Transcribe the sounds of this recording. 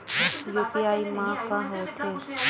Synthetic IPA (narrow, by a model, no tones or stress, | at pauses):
joːpijaːimãkãɦot̪ʰeː